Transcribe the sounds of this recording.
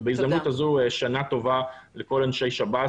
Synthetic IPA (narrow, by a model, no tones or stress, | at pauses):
beizd̪amnut̪azuʃanat̪o̞valeko̞lanʃejʃaba